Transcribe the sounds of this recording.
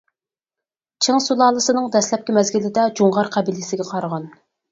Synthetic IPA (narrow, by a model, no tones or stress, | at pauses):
t͡ʃʰeŋsulˠɑːlˠɨsɨnɨŋd̪ɛslɛp̚kʲɛmɛzɡʲilɪd̪ɛd͡ʒuŋʁɑɾqʰɛbilɪsɪɡʲɛqʰɑɾʁɑn